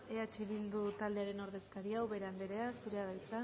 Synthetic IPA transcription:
eat͡ʃiβild̪ut̪ald̪e̞aɾe̞no̞ɾðe̞skaɾiawβe̞ɾambeɾe̞asuɾe̞aðajt͡sa

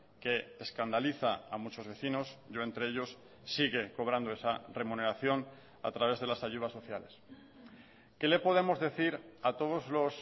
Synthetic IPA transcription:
ke̞ːskand̪aliθaamut͡ʃo̞zβe̞θino̞sɟ͡ʝo̞e̞nt̪ɾe̞eʎo̞sː | iɣe̞ko̞β̞ɾand̪o̞e̞sare̞mune̞ɾaθjo̞n | a̰t̪ɾaβe̞zð̞e̞lasaʝuð̞aso̞θjale̞s | ke̞le̞po̞ð̞e̞mo̞zðe̞θiɾat̪o̞ð̞o̞zlo̞s

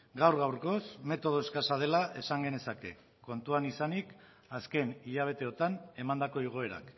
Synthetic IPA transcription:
ɡawɾɣawɾko̞sme̞t̪o̞ð̞o̞eskasað̞e̞laʔe̞saŋɡe̞ne̞sake̞̰ | ko̞nt̪uanisanik | aske̞niʎaβ̞e̞t̪e̞o̞t̪ane̞mand̪ako̞iɣ̞o̞e̞ɾa̰k

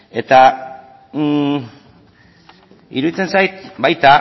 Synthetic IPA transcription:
e̞t̪a | ḭɾuðit͡se̞nsajt̪̚bajt̪a

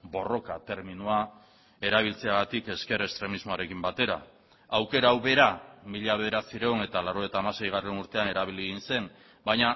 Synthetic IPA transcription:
bo̞ro̞kat̪e̞ɾminua | e̞ɾaβilt͡se̞aɣat̪ike̞ske̞ɾe̞st̪ɾe̞mizmo̞aɾe̞kimbat̪e̞ɾa̰ | awke̞ɾaːwβe̞ɾamiʎaβe̞ðeɾasiɾeone̞t̪alaɾo̞et̪aːmase̞jɣ̞are̞nuɾt̪e̞ane̞ɾaβiliɣinse̞m | bajɲa

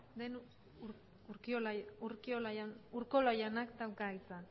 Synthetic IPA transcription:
d̪en | u | uɾkioluɾkiolajanuɾkolojanakt̪awkaɣit͡san

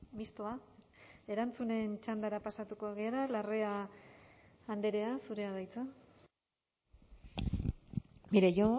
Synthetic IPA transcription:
mist̪oa | e̞ɾant͡sune̞nt͡ʃand̪aɾapasat̪uko̞aɣ̞iaɾalare̞a | nd̪e̞ɾe̞asuɾe̞aðajt͡sa | miɾejo

